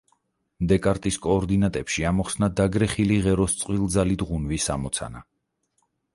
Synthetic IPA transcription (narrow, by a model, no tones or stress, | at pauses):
md̪ɛkʼaɾt̪ʼiskʼɔːɾd̪inat̪ʼɛpʃiamɔχsnad̪aɡɾɛχiliʁɛɾɔst̪sʼqʼwilˠd̪zalid̪ʁunvisa̰mɔt̪sʰa̰na